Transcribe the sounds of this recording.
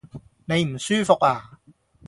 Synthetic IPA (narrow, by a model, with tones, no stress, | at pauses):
ne˨˧jm̩˨˩syː˥fʊ˨k̚aː˨˩